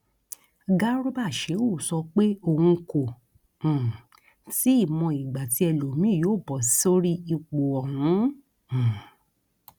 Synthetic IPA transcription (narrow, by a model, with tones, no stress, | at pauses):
ɡa˦ɾo˦ba˦˨ʃe˨˦o˦˨sɔ˧k͡pe˦o˧hũ˧kõ˨ | ti˨˦i˦˨mɔ̃˧i˨ɡ͡ba˨ti˧ɛ˧lo˨mĩ˦˨joː˦˨bɔ˨sso˦ɾi˦i˧k͡po˨ɔ˨hũ˨˦˨